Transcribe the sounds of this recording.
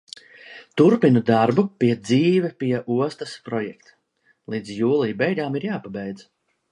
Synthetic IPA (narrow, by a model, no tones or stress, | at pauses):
t̪uɾpinud̪aɾbupiɛd̪ziːvɛpiɛʔuɔst̪aspɾɔjɛkt̪ | lˠiːd̪zjuːlˠiːbɛjɡaːmiɾjaːpabɛjd̪z